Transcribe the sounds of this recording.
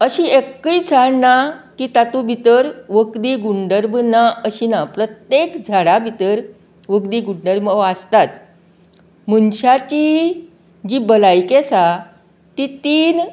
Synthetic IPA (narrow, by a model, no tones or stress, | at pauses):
əɕiekːəit͡sʰaɽnakiːt̪at̪ubʱit̪əɾʋəkd̪iːɡuɳɖəɾbnaəɕinapɾət̪jekd͡zʱaɽabʱit̪əɾ | ʋəkd̪iːɡuɳɖəɾməʋast̪at̪ | m̤unɕat͡ɕi | d͡ʑibəlajkesa | t̪it̪iːn